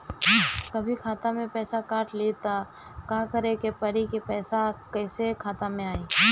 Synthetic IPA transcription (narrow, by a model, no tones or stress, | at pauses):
kɐbʱikʰaːt̪amẽpɛːsakaːʈʰlit̪a | kãːkəɾekepəɾikepɛːsakɛːsekʰaːt̪amẽaːiː